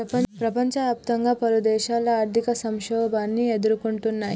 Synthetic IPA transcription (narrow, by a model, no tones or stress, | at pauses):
ɾɐpɐpɾɐpɐɲt͡ʃɐaːp̚t̪ɐŋɡaːpɐɾud̪ɛːʃaːlɐaːɾd̪ʱikɐsɐmʃɔːbaːnːied̪uɾukuɳʈunːaːji